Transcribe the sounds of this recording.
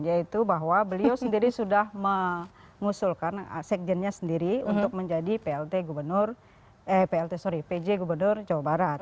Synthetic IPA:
jait̪ubaɦwabəliosəndiɾisudahmə | ŋusulkansɛk̚d͡ʒɛnɲasəndiɾiunt̪ʊk̚məɲd͡ʒadipeɛlt̪eɡubərnʊr | əpeɛlt̪esoɾiped͡ʒeɡubərnʊrd͡ʒawabaɾat̪̚

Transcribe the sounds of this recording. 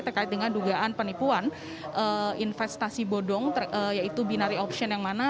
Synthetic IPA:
t̪ərkaɪt̪̚dəŋanduɡaʔanpənipuan | ʔəinfɛst̪asibodɔŋt̪ərəjait̪ubinaɾiɔpʃiɔnjaŋmana

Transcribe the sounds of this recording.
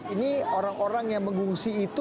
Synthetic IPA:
inioɾaŋoɾaŋjaŋməŋɡuŋsiːt̪u

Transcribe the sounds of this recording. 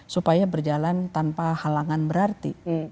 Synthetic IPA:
supajabərd͡ʒalant̪anpahalaŋanbəɾart̪ḭ

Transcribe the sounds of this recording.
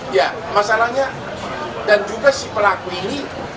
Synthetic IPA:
ja | masalahɲa | dand͡ʒuɡasipəlakuini

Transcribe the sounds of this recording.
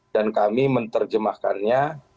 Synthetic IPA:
dankamimənt̪ərd͡ʒəmahkanɲa

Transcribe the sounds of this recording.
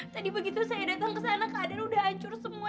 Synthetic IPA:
t̪adibəɡit̪usajadat̪aŋkəs̬anakəʔadanudahaɲt͡ʃʊrsəmua

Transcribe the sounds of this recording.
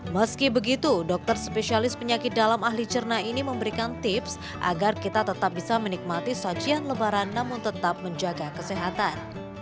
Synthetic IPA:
məskibəɡit̪udɔk̚t̪ərspesialɪspəɲakɪt̪̚dalamaɦlit͡ʃərnainiməmbəɾikant̪ɪps | ʔa̰ɡarkit̪at̪ət̪ap̚bisamənik̚mat̪isad͡ʒianləbaɾanːamʊnt̪ət̪ap̚məɲd͡ʒaɡakəsɛɦat̪an

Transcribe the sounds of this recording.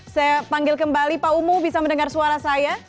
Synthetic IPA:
sajapaŋɡɪlkəmbalipaumʊbisaməndəŋarsuaɾasaja

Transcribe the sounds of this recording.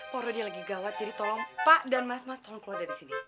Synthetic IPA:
pɔɾodialaɡiɡawat̪̚d͡ʒadit̪ɔlɔŋpaʔdanmasmast̪ɔlɔŋkluardaɾisini

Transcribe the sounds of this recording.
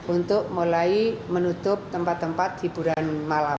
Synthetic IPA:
ʔunt̪ʊʔmulaimənut̪ʊp̚t̪əmpat̪ːəmpat̪̚d̥ib̥ṳɾanmala

